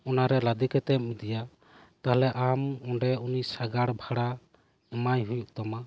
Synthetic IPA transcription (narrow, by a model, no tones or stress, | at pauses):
ɔnaɾɛlad̪ikɛt̪ɛp̚mid̪ija | t̪aɦalɛʔamɔɳɖɛunisaɡaɽbʱaɽa | ɛmajɦujuk̚t̪ɔma